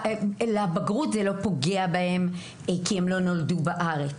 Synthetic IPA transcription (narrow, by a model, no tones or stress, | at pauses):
leabaɡʁut̪zelo̞po̞ɡeabae̞m | kiemlo̞no̞ldubaʔaʁet͡s